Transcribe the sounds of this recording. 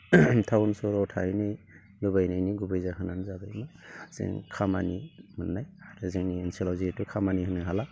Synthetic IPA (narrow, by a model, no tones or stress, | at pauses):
tʰawnsɔɾɔtʰajnɯj | lubajnajniɡubɯjzaɦɯnanzabajmaz̥ḛŋkʰamanimɯnːajaɾɯzeŋniensilɔzitukʰamanihɯnɯɦala